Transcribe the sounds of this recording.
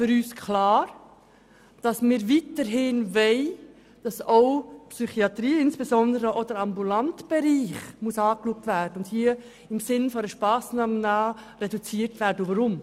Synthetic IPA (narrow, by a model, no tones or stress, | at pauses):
fʏɾyːskʰlɑːɾ | d̥ɑsmɪːɾviːtəɾɦɪnvɛɪ | d̥ɑsoʊpsyχiɑtɾiːɪnsb̥esɔndəɾəʔod̥əɾɑmbulɑntb̥ɛɾiːχmusɑːkluək̚tvæːɾdəʊnd̥hiːə | ɪmsɪnfɔɾəʃpɑːsnɑmənɑːɾɛdut͡siːəɾtvæːɾdəuʋɑɾʊm